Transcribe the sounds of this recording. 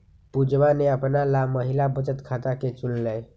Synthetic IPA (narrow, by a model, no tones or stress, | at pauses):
pud͡ʒʋaneəpnalaməɦilabət͡ʃət̪kʰat̪aket͡ʃullɛ